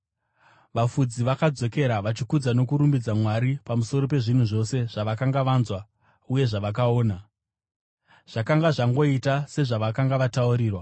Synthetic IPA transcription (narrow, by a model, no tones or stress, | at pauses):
ʋafud͡ziʋakad͡zo̞ke̞ɾaʋat͡ʃikud͡zano̞kuɾumbid͡zamwaɾipamuso̞ɾo̞p̬e̞ʐin̤uʐo̞se̞ʐaʋakaŋɡaʋanzwa | uje̞ʐaʋak̬ao̞ːna | ʐ̥akaŋɡaʐaŋɡo̞itase̞ʐaʋakaŋɡaʋatauɾiːrwa